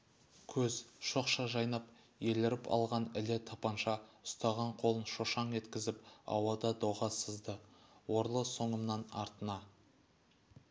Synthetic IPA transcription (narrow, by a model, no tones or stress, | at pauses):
kʲʰɵzʃo̞qʃɑʒɑjnɑp | je̞lɪɾɪpʰɑ̰lˠʁɑnɪlɪt̪ʰɑpɑnʃɑʊst̪ɑʁɑɴqʰo̞lˠənʃoʃɑɴe̞t̪kʲɪzɪpɑ̰wɑd̪ɑd̪oʁɑsəzd̪əwo̞ɾlˠəsoɴəmnɑnɑ̰ɾt̪ənɑ